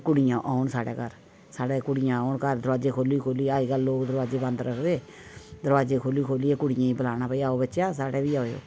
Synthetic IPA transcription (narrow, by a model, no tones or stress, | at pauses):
kʊɽɪjãːʔaːʊɳsaːɽḛːkəɾ | saːɽeːkʊɽɪjãːaːʊnkəɾd̪əɾʋaːd͡ʒeːkʰoːliːkʰoːliːaːiːɡəlːoːkd̪əɾʋaːd͡ʒeːbə̃nd̪ɾəkʰd̪eː | d̪əɾʋaːd͡ʒeːkʰoːliːkʰoːlieːkʊɽɪjãːĩːbəlaːnaːpəiːaːoːbətːʃjaːsaːɽeːbiːaːojo̰ː